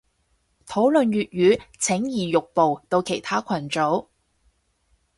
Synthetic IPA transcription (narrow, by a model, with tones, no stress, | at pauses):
t̪ʰo˨˥wlɵ˨nɥyː˨t̚ɥyː˨˥t͡sʰɪ˨˥ŋjiː˨jʊ˨k̚po˨wt̪o˧wkʰe˨˩jt̪ʰaː˥kʷʰɐ˨˩nt͡so˨˥w